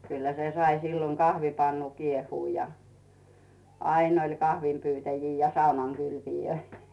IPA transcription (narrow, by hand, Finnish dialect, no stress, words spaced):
kylːæ se sɑi silːoŋ kɑhʋipɑnːu kiehuː jɑ ɑin olʲ kɑhʋimpytæjiː jɑ sɑunɑŋkylpijøi